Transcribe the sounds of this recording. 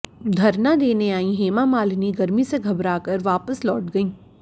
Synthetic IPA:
d̪ʱɐɾnad̪eːneaːĩɦeːmamaːlniɡɐɾmiseɡʱɐbɾaːkəɾʋaːpəslɔːʈ̚ɡɐĩː

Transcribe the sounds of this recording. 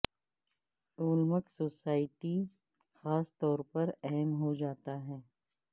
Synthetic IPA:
ʊːlməksoːsaːɪʈi | xaːst̪ɔːɾpɐɾɛɦɛmɦod͡ʒaːt̪aɦɛː

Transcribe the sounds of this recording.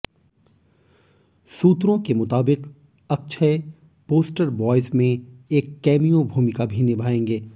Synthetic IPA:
suːt̪ɾõkemʊt̪aːbɪq | ɐk̚t͡ʃʰəe | poːsʈəɾbɔːɪzmẽeːkːɛːmijõbʱuːmɪkabʱinɪbʱaːẽːŋɡeː

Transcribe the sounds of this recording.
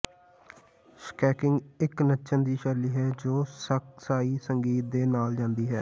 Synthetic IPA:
skɛːkɪ̃ŋɡɪknətːʃʰənd̪iːʃəɾliːɦɛːd͡ʒoːsək̚saːiːsəŋɡiːt̪̚d̪eːnaːld͡ʒãːnd̪iːɦɛː

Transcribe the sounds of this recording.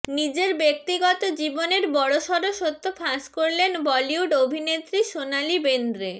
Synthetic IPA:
nid͡ʑeɾbek̚t̪iɡɔt̪od͡ʑiboneɾbɔɽoʃɔɾoʃot̪ʰːopʰaskoɾlenbɔliuɖobʱinet̪ɾiʃonalibend̪ɾe

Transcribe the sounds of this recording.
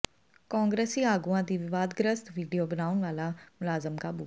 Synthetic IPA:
kɔ̃ːŋɡɾeːsiaːɡuãd̪iʋɪʋaːd̪ɡɾəst̪ʋiːɖijoːɡɾaːʊ̃ɳʋaːlamʊlaːzəmkabuː

